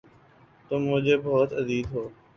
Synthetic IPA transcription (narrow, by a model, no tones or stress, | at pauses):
t̪oːmʊ̃ɦd͡ʒeːbɔːt̪əziːd̪ɦoː